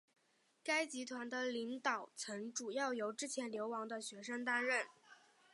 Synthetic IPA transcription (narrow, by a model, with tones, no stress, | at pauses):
ka˥ɪt͡ɕi˧˥t̪ʰwa˧˥nd̪ə˧li˧˥ŋt̪ɑ˨˩ʊt͡sʰɤ˧˥ŋʈ͡ʂu˨˩jɑ˥˩ʊjo˧˥ʊʈ͡ʂɻ̩˥t͡ɕʰjɛ˧˥nljo˧˥ʊwɑ˧˥ŋd̪ə˧ɕɥɛ˧˥ʂə˥ŋt̪a˥nɻə˥˩n